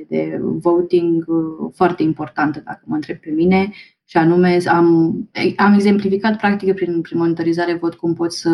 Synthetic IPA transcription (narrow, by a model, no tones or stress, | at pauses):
d̪e̞̰vowt̪iŋɡfoart̪e̞impo̞rt̪ant̪əd̪a̰kəməɨnt̪ɾe̞b̚pe̞mine̞ | ʃianume̞ameame̞ɡze̞mplifikat̪̚pɾak̚t̪ikpɾinpɾinmo̞nit̪oɾizaɾevo̞t̪kumpo̞t̪sʲsə